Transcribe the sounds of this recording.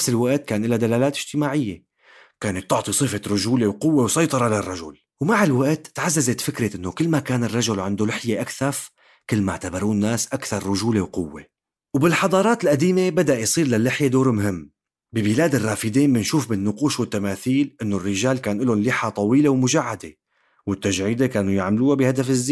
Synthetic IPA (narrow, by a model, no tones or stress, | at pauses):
nafsɪlwaʔt̪̚kaːnʔɪlːad̪alaːlaːt̪ʔɪʒ̥t̪ɪmaːʕɪjːe | kaːnɪt̪ːʊʕt̪ˤisˤɨfeɾʊʒuːlewqʊwːewsˤɑjt̪ˤɑɾˤɑlarˤːɑʒʊ̰l | wmaʕɪlwaʔt̪ːʕazːazet̪fɪkɾɪʔɪnːokɪlːmakaːnɪrˤːɑʒʊlʕɪnd̪ulɪħjeʔakθaf | kɪlːma̰ʕt̪abɑɾˤuːnnːaːsʔakθɑɾˤːʊʒuːlewqʊwːe | wbɪlħɑd̪ˤɑːɾˤɑːt̪ɪlʔad̪iːmebad̪aʔjsˤiːɾlalːɪħjed̪oːɾmʊɦɪmː | bɪbɪlaːd̪ɪrˤːɑːfɪd̪iːnbɪnʃuːfbɪnːʊquːʃwɪt̪ːamaːθiːlʔɪnːorːɪʒaːlkaːnʔɪlʊnliːħat̪ˤɑwiːlewmʊʒaʕːad̪e | wɪt̪ːaʒʕiːd̪ekaːnujaʕmluːabɪhad̪afɪzːiː